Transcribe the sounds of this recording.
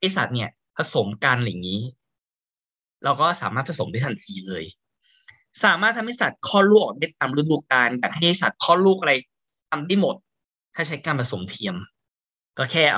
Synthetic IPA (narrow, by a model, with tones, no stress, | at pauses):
a˥˩jsa̰˨˩t̪̚ni˥˩ɐ | pʰa˧so˩˦mka˧n˨˩jŋiː˦˥ | ɾa˧wkɔː˥˩sa̰ː˩˦maː˥˩t̪̚pʰa˧so˩˦mdaː˥˩t̪ʰa˨˩nt̪ʰiː˧lɤː˧j | saː˩˦maː˦˥˩t̪̚ʰːa˧m˦a˥˩sa˨˩t̪̚kʰɔː˥˩luː˥˩k̚ɔː˨˩aː˦˥˩t̪̚aː˧mɾa˦˥duː˧kaː˧njaː˨˩k̚ha˥˩ja˥˩sa˨˩t̪̚kʰɔː˥˩luː˥˩k̚a˧ɾa˧j | t̪a˧mdaː˥˩jmo˨˩t̪̚ʰː | aː˥˩t͡ɕʰa˦˥jkaː˧npʰa˧so˩˦mt̪ʰi˧əm | kɔː˥˩kʰɛː˥˩